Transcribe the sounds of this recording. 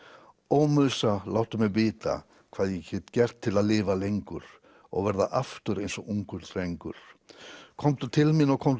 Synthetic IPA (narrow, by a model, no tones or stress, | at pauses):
oːwmʏðsalawht̪ʏmɛɣvɪːt̪a̰ | kʰv̥aːðjɛçɛt̪cɛr̥t̪ʰːɪlaðlɪːvalejŋkʏɾ̥ | ɔ̰ɣvɛɾðaʔaft̪ʏɾejnsɔʔuŋkʏɾ̥θɾejŋkʏɾ̥kʰɔmt̪ʏt̪ʰɪlmɪnɔɣkʰɔm